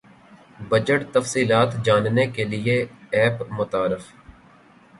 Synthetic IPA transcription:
bəd͡ʒəʈt̪əfsiːlaːt̪d͡ʒaːnnekelɪeɛːpmʊt̪aːɾɪf

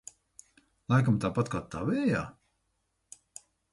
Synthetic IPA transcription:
lˠajkamt̪aːpat̪kaːt̪ːaːvɛːja̰ː

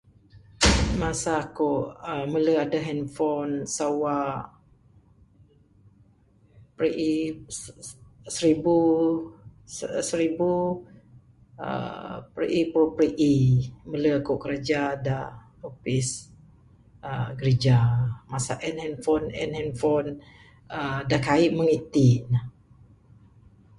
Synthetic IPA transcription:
masaːkoʔəmələadəɦɛnfɔnsawa | pɾiʔi | səɾibu | səɾibu | ə̰pɾḭʔipɾopɾiʔimələkoʔkəɾad͡ʒada | opis | əɡəɾid͡ʒamasa̰ʔɛnhɛnfɔnɛ̰nhɛnfɔn | ədakaiʔməŋit̪ina

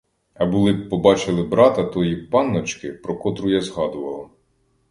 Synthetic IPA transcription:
ɐbulˠɪpɔbɑt͡ʃɪlˠɪbɾɑt̪ɐt̪ɔjipɑnːɔt͡ʃkɪpɾɔkɔt̪ɾʊjazɦɑd̪ʊʋɐlˠɐ

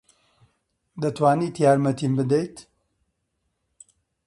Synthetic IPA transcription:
d̪ɐt̪waːniːt̪ʰjaːɾmɐt̪ʰiːmbɨd̪ejt̪

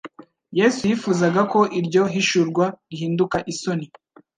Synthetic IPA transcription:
je̞ːsujifuːzaɡako̞ʔiɾɟo̞ɦiʃuɾɡwaɾihiːndukaʔiso̞ni

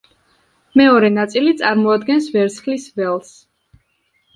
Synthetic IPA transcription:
mɛɔɾɛnat̪sʼilit̪sʼaɾmɔad̪ɡɛnsvɛɾt̪sχlisvɛlˠs

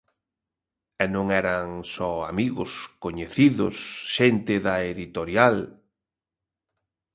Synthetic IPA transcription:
ɛnõŋɛɾaŋsɔamiɣʊskoɲeθiðʊ̰sʃent̪ɪðɐeðit̪oɾjal

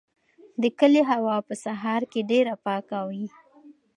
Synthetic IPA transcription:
d̪əkəleɦawɑpəsaɦɑɾkeɖeɾapɑkawi

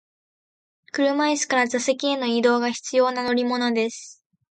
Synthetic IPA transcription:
kɯ̟ɾɯ̟maisɨ̥kaɾazase̞kʲieno̞id̪o̞ːɡaçi̥t͡sɨjo̞ːnano̞ɾʲimo̞nod̪e̞sɨ̥

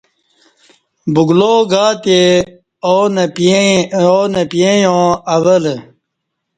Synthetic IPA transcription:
buɡloːɡaːt̪e | oːn | oːnɐpjẽjõːɐwəl

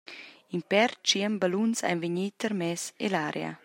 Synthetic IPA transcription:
impɛrt͡ʃiəmbalunsa̰jnveɲit̪əɾmɛsḛlaːɾʔea̰

